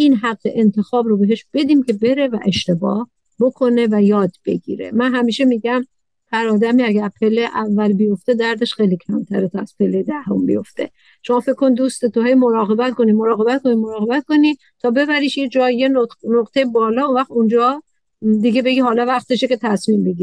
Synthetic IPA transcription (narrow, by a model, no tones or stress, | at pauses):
ʔinɦæɢːeʔent̪ʰe̞xɒːbɾobe̞ɦe̞ʃb̥e̞d̪iːmcʰe̞be̞ɾe̞væʔe̞ʃt̪e̞bɒ̰ːh | bokʰo̞ne̞væjɒːd̪b̥e̞̰ɡḭːɾe̞̰mænɦæmiːʃe̞miːɟæm | pʰæɾɒːd̪æmiæɡæɾpʰe̞lːeʔævːælbijo̞ft̪e̞d̪æɾd̪e̞ʃxejlicʰæmt̪ʰæɾet̪ʰɒæz̥pʰe̞lːejed̪æho̰mbḭjo̞ft̪e̞̰ | ʃo̞mɒːfe̞kʰkːonid̪uːst̪e̞t̪ʰoɦe̞jmo̞ɾɒːɣe̞bæt̪ko̞nimo̞ɾɒːɣe̞bæt̪kʰo̞nimoɾɒːɣe̞bæt̪̚ko̞ni | t̪ʰɒːbe̞bæɾiːʃjed͡ʒɒːjjenonoqt̪ʰejebɒːlɒːunvæxt̪und͡ʒɒː | d̪iɡe̞be̞ɡihɒːlɒvæχt̪eʃece̞t̪ʰæsmimbeɡʲiːɾ